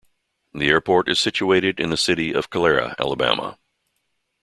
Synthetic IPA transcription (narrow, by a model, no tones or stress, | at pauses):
ðiɛɹpʰɔɹɾɨz̥sɪt͡ʃueɪɾɨɾɨ̃nðɨsɪɾiʌv̥kʰəlɛɹɨ̰æ̰lˠəbæ̰mə̰